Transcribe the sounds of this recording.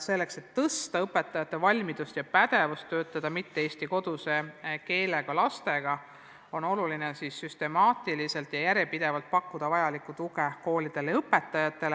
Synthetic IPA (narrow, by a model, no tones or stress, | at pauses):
se̞lːe̞kse̞t̪ːɤst̪ɑɤpːe̞t̪ːˑɑjɑt̪ːˑe̞vɑlʲmid̪̥ust̪jɑpæd̪̥e̞vust̪ːø̞ːt̪ːˑɑd̪̥ɑmit̪ːeeːsʲt̪iko̞d̪̥use̞ke̞ːleɡ̥ɑlɑst̪e̞ɡ̥ɑ | o̞no̞lulinesisːyst̪e̞mɑːt̪ˑilise̞lt̪jɑjæɾjepid̪̥e̞vɑlt̪̚pɑkːud̪̥ɑvɑjɑlikːˑut̪uɡeko̞ːlʲid̪̥e̞leɤpːe̞t̪ˑːɑjɑt̪ːˑe̞le